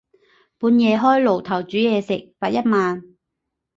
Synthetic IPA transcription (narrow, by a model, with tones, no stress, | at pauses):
puː˨˥njɛː˨˧ɦɔː˥jlo˨˩wt̪ʰɐ˨˩wt͡ʃyː˨˥jɛː˧sɪ˨k̚paː˨t̚jɐ˥t̚maː˨˧n